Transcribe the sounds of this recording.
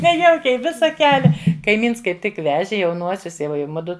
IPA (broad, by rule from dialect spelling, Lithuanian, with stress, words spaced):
nʲɛˈjɛʊkʲɛɪ ˈʋʲɪsɐ ˈkʲæːlʲɛ kɐɪˈmʲiːns kɐɪp ˈtʲɪk ˈʋʲæːʒʲɪ jɛʊˈnuɔsʲʊs ɪ ˈʋɐ ɪ ˈmʊdʊ